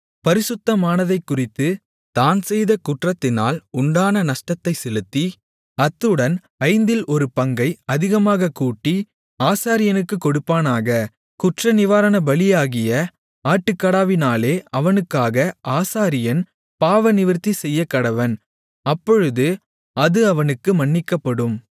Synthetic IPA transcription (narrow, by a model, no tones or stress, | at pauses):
pɐɾɪsɯt̪ːɐmaːnɐðɐɪkːʊrɪt̪ːɯ | t̪aːnsɛjðɐkʊʈrɐt̪ːɪna̰ːlʊɳɖaːnɐnɐʂʈɐt̪ːɐɪsɛlɯt̪ːi | ɐt̪ːɯɽɐn | ɐɪnd̪ɪlʔɔɾɯpɐŋɡɐɪɐðɪɣɐmaːɣɐkːuːʈːi | aːsaːɾɪjɐnɯkːɯkːɔɽɯpːaːnaːɣɐ | kʊʈrɐnɪʋaːɾɐnɐbɐlɪjaːɣɪjɐ | aːʈːɯkːɐɽaːʋɪnaːleːɐʋɐnɯkːaːɣɐʔaːsaːɾɪjɐn | paːʋɐnɪʋɪɾt̪ːisɛjːɐkːɐɽɐʋɐn | ɐpːɔɻɯðɯ | ɐðɯɐʋɐnɯkːɯmɐɳːɪkːɐpːɐɽɯm